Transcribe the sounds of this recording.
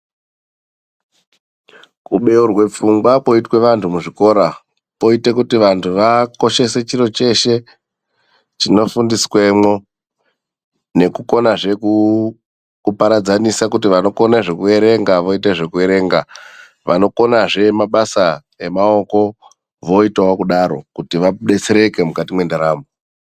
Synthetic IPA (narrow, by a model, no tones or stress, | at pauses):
kuɓe̞urwe̞p͡fuŋɡwapo̞itwe̞ʋantumuʐiko̞ɾa | po̞itekutiʋantʰuʋako̞ʃe̞se̞t͡ʃiɾo̞t͡ʃe̞ʃe̞ | t͡ʃino̞fundiswe̞mwo̞ | ne̞kuko̞naʐe̞ku | kupaɾad͡zanisakutiʋano̞ko̞naʐe̞kue̞ɾe̞ŋɡaʋo̞iteʐe̞kue̞ɾe̞ːŋɡa̰ | ʋa̰no̞ko̞naʐe̞maɓasa | e̞mao̞ko̞ | ʋo̞itawokuɗaɾo̞̰kutiʋaɗet͡seɾe̞ke̞mukatimwe̞ndaɾaːmbo